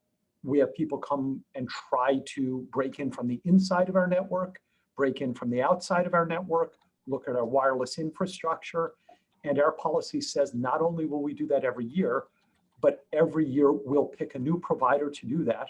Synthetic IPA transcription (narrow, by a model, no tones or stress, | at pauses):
wiɨv̥pʰipl̩ˠkʰʌ̃mɨ̃ntʰɹ̥aɪɾɨbɹeɪkɨ̃nfɹʌ̃mðiʔɪ̃nsaɪɾʌvaʊə˞nɛʔ̚wɜ˞k | b̥ɹeɪkɪ̃nfɹʌ̃mðiaʊtsaɪɾʌvaʊə˞nɛʔ̚wɜ˞k | lʊkɨɾəwaɪəɹlˠəsɪ̃ɱfɹɨstɹ̥ʌk̚t͡ʃə˞ | ɨ̃naʊə˞pʰɑlˠəsisɛznəɾõʊ̃nliwɪlˠwidɨðɨɾɛvɹijɪɹ | b̥ʌɾɛvɹijɪɹwilˠpʰɪkɨnʉpʰɹ̥əvaɪɾə˞ɾɨdɨðæt̚